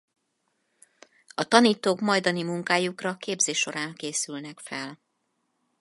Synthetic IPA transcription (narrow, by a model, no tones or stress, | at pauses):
ɒt̪ɒniːt̪oːkmɒjd̪ɒnimuŋkaːjukrɒkeːbzeːʃo̞ɾaːŋkeːsylnɛkfɛl